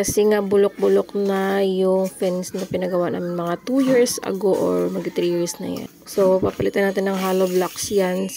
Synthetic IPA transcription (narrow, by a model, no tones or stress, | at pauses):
kɐsɛŋabʊlok̚bʊlok̚nɐjʊŋfɛnsnɐpɪnɐɡɐwanɐŋmɐŋat̪ujiɹsɐ̰ɡoʔo̰ɹmɐɡt̪ɾijɪɹsnɐ̰ja̰nsopapɐlɪt̪anaːt̪ɪnːɐŋɦaloblaksjan